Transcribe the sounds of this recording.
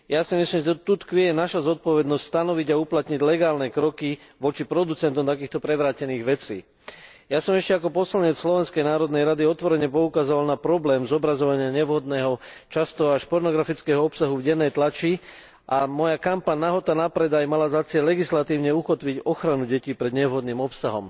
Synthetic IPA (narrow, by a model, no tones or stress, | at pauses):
jasimislimʒɛt̪ut̪kʋɛjɛnaʃazɔt̪̚pɔʋɛd̪nɔscʲst̪anɔʋiɟauplat̪ɲiɟlɛɡaːlnɛkɾɔkiʋɔt͡ʃipɾɔd̪ut͡sɛnt̪ɔmt̪ak̬iːxt̪ɔpɾɛʋɾaːcɛniːɣʋɛt͡sḭː | jasɔmɛʃcɛakɔpɔslaɲɛt͡sslɔʋɛnskɛjnaːɾɔd̪nɛjɾad̪iɔt̪ʋɔɾɛɲɛpɔukazɔʋalnapɾɔblɛːmzɔbɾazɔʋaɲɪaɲɛʋɦɔd̪nɛːɦɔ | t͡ʃast̪ɔaʃpɔɾnɔɡɾafit͡skɛːɦɔɔpsaɦuvɟɛnːɛjt̪lat͡ʃi | ʔamɔjakampaɲnaɦɔt̪anapɾɛd̪ajmalazat͡sɪɛlːɛɡislat̪iːʊɲɛuxɔt̪ʋiɟɔxɾanuɟɛciːpɾɛd̪ɲɛʋɦɔd̪niːmɔpsaɦɔ̰m